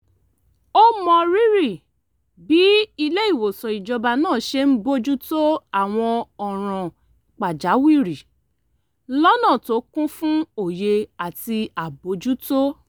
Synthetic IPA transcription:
o˦mɔ̃˧ɾi˦ɾi˦˨ | bi˨˦i˧le˦i˦˨wo˨sɔ˨i˨d͡ʒɔ˧ba˧nãː˦˨ʃe˦m̩˦bo˦d͡ʒu˦to˦a˦˨w̃ɔ̃˧ɔ˨ɾ̃ã˨ | k͡pa˨d͡ʒa˨˦wi˦˨ɾi˨ | lɔ˦nã˦˨to˨˦kũ˦fũ˦o˦˨je˧a˨ti˧a˨bo˨˦d͡ʒu˦to˦

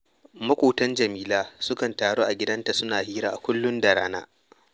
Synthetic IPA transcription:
mɐ˦kʷoː˨tɐ˦nd͡ʒɐ˨miː˦laː˦sʊ˦kɐ˨ntaː˨ɽoː˦ʔa˨ɡʲɪ˦dɐ˦nta˨sʊ˦naː˨hiː˦ɾaː˦˨ʔa˨kʷʊ˦lːʊ˦ndɐ˨ɽaː˦na̰ː˦

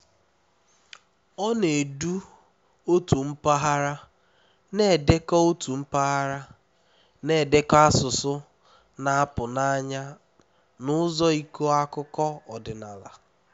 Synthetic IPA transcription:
ɔ˦ne˨du˦ | o˦tu˨m̩˦pa˦ɦa˦ɾa˦ | ne˨de˦kɔ˦o˦tu˨m̩˦pa˦ɦa˦ɾa˦ | ne˦˨de˦ka˦sʊ˨sʊ˦ | na˨a˦pʊ˨na˦ɲa˦ | nʊ˦zɔ˦i˦ko˦a˦kʊ˦kɔ˦ɔ˨dɪ˨na˨la̰˨

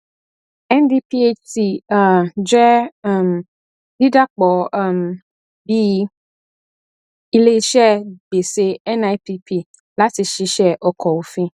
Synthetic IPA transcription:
ɛ˦ndi˦pi˦e˦ti˨ | d͡ʒɛ˦˨m | di˦da˦k͡pɔ˨m | bi˦ | i˦le˦ʃɛ˦be˨se˦ɛ˦na˦jpi˦pi˦ | la˦si˨ʃi˦ʃɛ˦ʔɔ˨kɔ˨wo˨fĩ˦

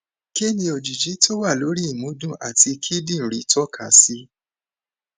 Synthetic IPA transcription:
ke˦nĩ˧o˨d͡ʒi˨d͡ʒi˨˦to˦wa˦˨lo˨˦ɾi˦i˦˨mũ˨˦dũ˦˨ʔa̰˨ti˧kʰi˦dĩ˦˨ɾi˨˦tɔ˦kʰa˨˦si˦

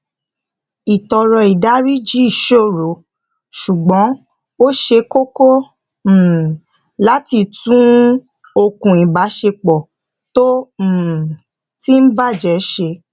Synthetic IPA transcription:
i˨tɔ˧ɾɔ˧i˨da˨˦ɾi˦d͡ʒi˨˦i˦˨ʃo˦˨ɾo˨˦ | ʃu˨ɡ͡bɔ̃˨˦ | o˦ʃe˧ko˦kõ˦˨ | la˦ti˧tũ˦ | o˧kũ˨i˨ba˨˦ʃe˧k͡pɔ˨ | tõ˦˨ | ti˦n̩˦ba˦˨d͡ʒɛ˨˦ʃe˧

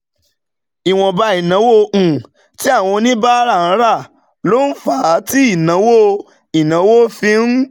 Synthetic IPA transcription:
i˨w̃ɔ̃˨ba˧˦i˨nã˨˦wo˦˧ʔ̩˨ | ti˦a˦˨w̃ɔ̃˧nĩ˦ba˦ɾa˦˨ã˨˦ɾa˦˨ | lo˨˦n̩˦fa˨˦ti˦i˦˨nã˨˦wo˦ | i˨nã˨˦wo˦fĩ˦n̩˦

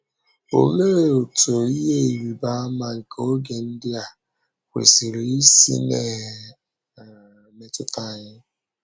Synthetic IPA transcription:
o̰˨me˦ɾe˨o˨to˨i˦ɦe˦i˨wi˨ba˦a˦ma˨ŋ̩˨ko˦o˦ɡe˨n̩˦dɪ˦a˨ | kʷḛ˨si˨ɾi˨˦sḭ˦ne˨ | me˨tʊ˦ta˦˨ɲɪ˦

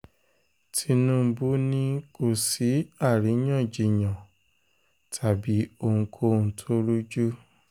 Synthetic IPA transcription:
tʰi˧nũ˦˧˦bu˦nĩ˦ko˦˨si˨˦a˦˨ɾi˨˦j̃ã˦˨d͡ʒi˨j̃ã˨ | tʰa˨bi˨˦o˧ŋũ˧kʰo˧˦nũ˧˦tʰo˦ɾu˦d͡ʒu˦

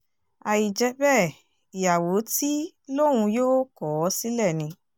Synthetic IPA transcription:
a˧˨ji˨d͡ʒɛ˧˦bɛ˦˨ | i˨ja˨wo˨˦ti˦ | lõ˦˨˦ũ˧joː˦kɔ˨˦si˦lɛ˦˨nĩ˧

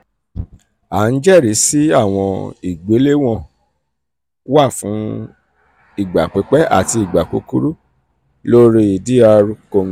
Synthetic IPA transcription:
a˨˦n̩˦d͡ʒɛ˦˨ɾi˨˦si˦a˦˨w̃ɔ̃˧i˨ɡ͡be˨˦le˦w̃ɔ̃˦˨ | wa˦˨fũ˨˦ | i˦˨ɡ͡ba˨k͡pe˨˦k͡pɛ˦ʔa̰˦˨ti˧i˨ɡ͡ba˨k͡pṵ˨˦ku˦ɾu˦ | lo˦ɾi˦i˨di˦a˧ɾu˦ko˧n˦˨

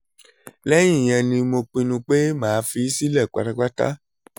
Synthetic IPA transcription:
lɛ˦j̃ĩ˦˨j̃ɛ̃˧nĩ˧mo˧k͡pĩ˧nũ˧k͡pe˦mãː˨˦fi˧˦si˦lɛ˦˨k͡pa̰˨˧ɾa˧k͡pa˦ta̰˦

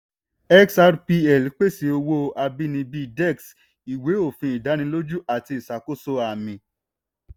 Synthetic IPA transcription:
ɛ˦ksa˧ɾpi˧ɛ˨lk͡pe˦˨si˧o˧wo˦a˧bi˦nĩ˧bi˦dɛ˦˨ks | i˨we˨˦o˦˨fĩ˧˦i˨da˨˦ñĩ˧lo˦d͡ʒu˦ʔa˨ti˧i˨sa˨ko˦so˦˧a˨mĩ˨˧

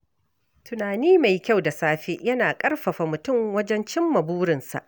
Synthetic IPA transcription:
tʊ˨naː˨niː˦ma˨jkʲa˦wda˨saː˦ɸe˦ʔjɐ˦naː˨kʼɐ˦rɸɐ˨ɸa˨mʊ˨tʊ˦˨mwɐ˦d͡ʒɛ˦nt͡ʃɪ˦mːɐ˨buː˦ɾɪ˨nsa̰˨ʔ

